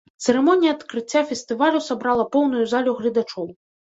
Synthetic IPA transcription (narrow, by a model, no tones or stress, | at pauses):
t̪sɛɾɛmɔnʲijɐːt̪kɾɨt͡sʲːafʲɛst̪ɨvalʲusabɾalˠɐpɔwn̪ujuzalʲuɣlʲid̪at͡ʂɔw